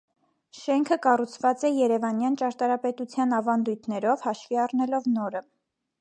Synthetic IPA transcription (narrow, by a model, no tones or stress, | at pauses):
ʃɛŋkʰəkɑrut͡sʰvɑt͡sɛjɛɾɛvɑnjɑnt͡ʃɑɾt̪ɑɾɑpɛt̪ut͡sʰjɑnɑvɑnd̪ujt̪ʰnɛɾɔvhɑʃviɑrnɛlɔvnɔɾə